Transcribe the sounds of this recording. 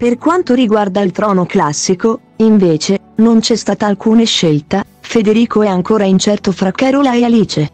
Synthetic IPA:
perkwant̪oɾiɡward̪ailt̪ɾɔːnoklasːiko | iɱveːt͡ʃe | nont͡ʃɛst̪aːt̪alkuːneʃːelt̪a | fed̪eɾiːkoɛaŋkoːɾaint͡ʃɛrt̪ofɾakɛɾolaealiːt͡ʃe

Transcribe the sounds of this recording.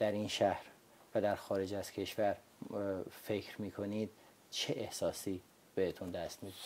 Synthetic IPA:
d̪̥æɾinʃæhɾ | væd̪æɾxɒːɾe̞d͡ʒæz̥cʰe̞ʃvæɾ | fe̞kʰɾmiːkʰo̞niːd̪̥̚ | t͡ʃʰeʔehsɒːsiː | b̥ehet̪ʰund̪æst̪mid̪e

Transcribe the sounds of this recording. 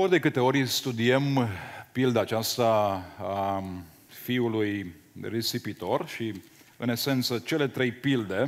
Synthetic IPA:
o̞rʲd̪e̞kɨt̪e̞o̞ɾʲst̪ud̪iempild̪aːt͡ʃast̪aː | fiulujresipit̪o̞rʃi | ɨne̞se̞nt̪sət͡ʃe̞le̞t̪ɾe̞jpild̪e̞

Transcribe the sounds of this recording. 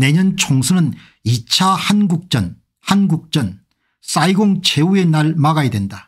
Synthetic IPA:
ne̞ɲʌnt͡ɕʰoŋsʰɯnɯn | it͡ɕʰahanɡuk̚t͡ɕ͈ʌn | hanɡuk̚t͡ɕ͈ʌn | s͈aiɡoŋt͡ɕʰe̞ue̞naɭmaɡajedwe̞nda

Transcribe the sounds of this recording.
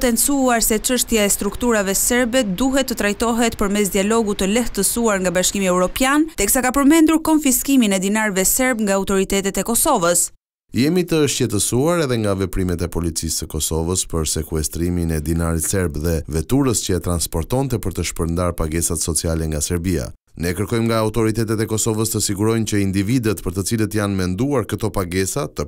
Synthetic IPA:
t̪ɛnsuaɾsɛt͡ʃəʃt̪jaɛst̪ɾukt̪uɾavɛsɛɾbɛd̪uɦɛt̪ːət̪ɾajt̪ɔɦɛt̪pəɾmɛs̬d̪ialɔɡut̪əlɛht̪əsuaɾŋɡabaʃkimiɛwɾɔpjant̪ɛksakapəɾmɛnd̪uɾkɔnfiskiminɛd̪inaɾvɛsɛɾbŋɡaːwt̪ɔɾit̪ɛt̪ɛt̪ɛkɔsɔvəs | jɛmit̪əʃcɛt̪əsuaɾɛðɛŋɡavɛpɾimɛt̪ɛpɔlit͡sisːəkɔsɔvəspəɾsɛkuɛst̪ɾiminɛd̪inaɾit̪sɛɾbðɛvɛt̪uɾəscəɛt̪ɾanspɔɾt̪ɔnt̪ɛpəɾt̪əʃpəɾnd̪aɾpaɡɛsat̪sɔt͡sialɛŋɡasɛɾbia̰ | nɛkəɾkɔjmŋɡaːwt̪ɔɾit̪ɛt̪ɛt̪ɛkɔsɔvəst̪əsiɡuɾɔjncəind̪ivid̪ət̪pəɾt̪ət͡silət̪janmɛnd̪uaɾkət̪ɔpaɡɛsat̪ə

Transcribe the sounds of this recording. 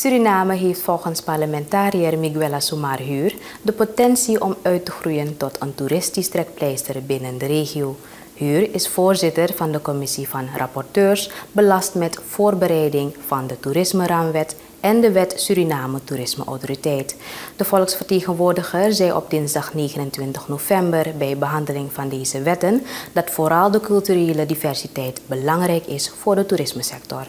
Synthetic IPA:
syɾinaːməɦeːftfɔlˠχənspɑrləmɛntaːɾiərmiɡyɛlasumarɦyːr | dəpotɛnsiʔɔmœɥtəχrujəntɔtəntuɾɪstistrɛk̚plɛjstərbɪnəndəreːχioː | hyːrɪsfoːrzɪtərvɑndəkɔmɪsivɑnrʔɑ̰pɔrtøːrsbəlɑstmɛtfoːrbəɾɛjdɪŋvɑndətuɾɪsməraːmʋɛt | ʔɛndəʋɛtsyɾinaːmətuɾɪsmə̰ʔɔ̰wtoritɛjtd̥əvɔlˠksfərteːɣənʋoːrdəxəɹzɛjʔɔ̰b̚dɪnzdɑχneːɣənəntʋɪntəxnovɛmbərbɛjbəɦɑndəlɪŋvɑndeːzəʋɛtənd̥ɑtfoːɾɑlˠdəkɵlˠtyreːlədivɛrsitɛjtbəlɑŋrɛjkɪsfʊːrdətuɾɪsməsɛktɔr

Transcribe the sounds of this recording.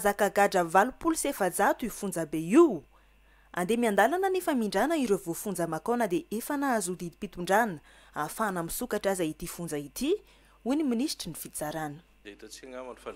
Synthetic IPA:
azakaɡaɖ͡ʐəvalupulusefad͡zat̪uifund͡zəbeiw | a̰nd̪emiand̪alananefəmiɳɖ͡ʐanəiɾevofund͡zəmakonəd̪eʔefanaazud̪id̪ipit̪uɳɖ͡ʐanə̥ | afanamisukaʈ͡ʂazait̪ifund͡zəit̪i | uniminisʈ͡ʂinifit͡saɾanə̥

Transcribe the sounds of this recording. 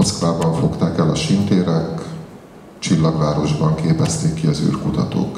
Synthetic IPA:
ot̪sklaːbɒɱfo̞kt̪aːkɛlɒʃint̪eːɾɛk | t͡ʃilːɒɡʋaːɾo̞ʒbɒŋkeːpɛst̪eːkːiɒzy̰ːrkut̪ɒt̪o̰ːk

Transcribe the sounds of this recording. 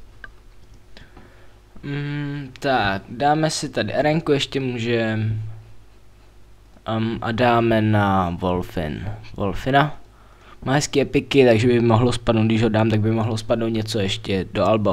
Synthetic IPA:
m̩t̪akdaːmɛsɪt̪adɪʔɛɾɛŋkujɛʃcɛmuːʒɛm | mʔa̰daːmɛnavolfɪ̰nvo̰lfɪna | maːɦɛskiːɛpɪkɪt̪aɡʒɛbɪmoɦlospadnowt̪̚dɪʒɦodaːmt̪aɡ̚bɪmoɦlospadnowt̪̚ɲɛt͡sojɛʃcɛdoalbo

